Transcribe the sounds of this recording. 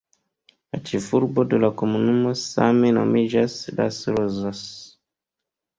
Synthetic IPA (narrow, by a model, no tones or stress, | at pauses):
at͡ʃifuɾbodolakomunumosa̰mɛna̰miʒasda̰siɾozas